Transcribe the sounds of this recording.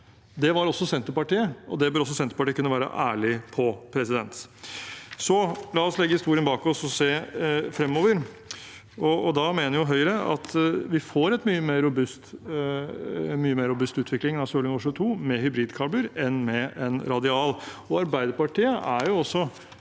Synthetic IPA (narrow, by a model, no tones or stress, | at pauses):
d̪ɛʋɑɾɔsːɔsɛnt̪əɾpɑʈiːəʔɔ̰d̪ɛbøːɾɔs̬ːɔsɛnt̪ɾpɑʈiːəkʉnːəʋæːɾə̰ʔæːɭɪpʰɔpʰɾɛsɪd̪ɛnt̪ | sɔlɑːɔslɛɡːəhɪst̪uːɾɪənbɑːkɔsɔseːfɾɛmːoːʋəɾ | ɔɔd̪ɑmeːnəɾjʊɦœʏɾəɑ̰t̪ʋɪfoːɾɛt̪myːəmeːɾʊbʉst̪ | myːəmeːɾʊbʉst̪ʉːt̪ʰʋɪklɪŋnɑsoːlɪŋɔʂʉːt̪ʰuːmɛɦʏbɾiːd̪kʰɑːbəɾɛnmɛɛnɾɑd̪ɪɑːlɔɑɾbæɪd̪əpɑʈiːəʔæɾjʊɔsːɔ